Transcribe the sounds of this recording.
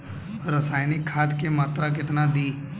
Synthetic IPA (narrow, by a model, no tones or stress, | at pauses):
ɾəsaːjnɪkʰːaːt̪kemaːt̪ɾakɪt̪nad̪iː